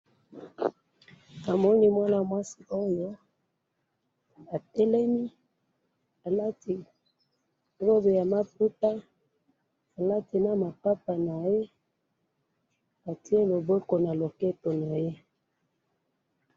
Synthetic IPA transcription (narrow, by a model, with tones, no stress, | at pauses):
a˨mɔ˦ni˦mwa˦na˨mwa˦si˨ʔo˦jɔ˦ | a˨tɛ˦lɛ˦mi˦ | a˨la˦ti˨˦ | lo˦be˨ja˨ma˦pu˦ta˦ | a˨la˦ti˨na˦ma˨pa˦pa˨na˨je˦ | a˨ti˦e˦lo˨bo˦ko˨na˨lo˨kɛ˦to˨na˨je˦